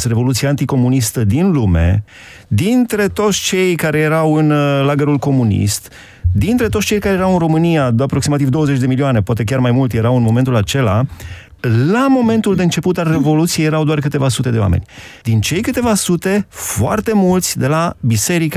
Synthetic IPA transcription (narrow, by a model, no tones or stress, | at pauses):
sre̞vo̞lut̪siaːnt̪iko̞munist̪əd̪inlume̞̰ | d̪int̪ɾe̞t̪o̞t̪sʲt͡ʃe̞jkaɾe̞je̞ɾawɨnlaɡəɾulko̞munḭst̪ | d̪int̪ɾet̪ot̪sʲt͡ʃe̞jkaɾejeɾawɨnro̞mɨnijaapɾo̞ksimat̪ivd̪oəzet͡ʃd̪e̞milioane̞poat̪e̞kʲarmajmult̪je̞ɾawɨnmo̞me̞nt̪ulat͡ʃe̞la | lamo̞me̞nt̪uld̪e̞ɨnt͡ʃe̞put̪are̞vo̞lut̪sijejeɾawd̪oarkɨt̪e̞vasut̪e̞d̪e̞oa̰mḛnʲd̪̥int͡ʃe̞jkɨt̪e̞vasut̪e̞foa̰rt̪e̞mult̪sʲd̪e̞labise̞ɾika